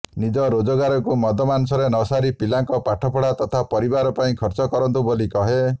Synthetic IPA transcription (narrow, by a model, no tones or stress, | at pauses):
nid͡ʒɔɾod͡ʒɔɡaɾɔkumɔd̪ʱɔmanusɔɾenɔsaɾipilaŋkɔpaʈʰɔpʰɔɽat̪ɔt̪ʰapɔɾibaɾɔpaĩkʰɔɾt͡ʃɔkɔɾɔnt̪ubolikɔɦe